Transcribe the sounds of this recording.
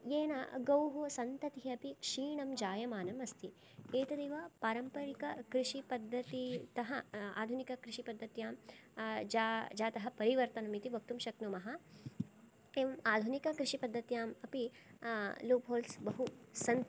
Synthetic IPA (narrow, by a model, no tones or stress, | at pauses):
jeːnaɡɐwɦosɐnt̪ɐt̪iɐpikʂiːɳɐmd͡ʒaːjɐmaːnɐmɐst̪ʰi | eːt̪ɐd̪eːʋɐpaːɾɐmpɐɾikɐkɾiʃipɐd̪ʱːɐt̪it̪ɐɦɐa̰ːd̪ʱunikɐkɾiʃipɐd̪ʱːɐt̪jaːm | d͡ʒaːd͡ʒaːt̪ɐɦɐpɐɾiʋɐɾt̪ɐnɐmit̪iʋɐk̚t̪umʃɐknumɐɦɐ | eːʋɐmaːd̪ʱunikɐkɾiʃipɐd̪ʱːɐt̪jaːmɐpi | luːpɦoːlsbɐɦusɐn